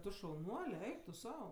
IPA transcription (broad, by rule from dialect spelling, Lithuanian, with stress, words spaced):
ˈtʊ ʃɐʊˈnuɔlʲɛ ˈɛɪk tʊ ˈsɐʊ